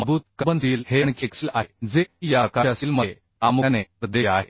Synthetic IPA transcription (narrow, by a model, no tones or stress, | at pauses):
əbuːt̪̚kəbənsiːlheɳ̃kʰeksilʔaɦed͡zejakaasiːlmə | amuneɾəd̪eaɦe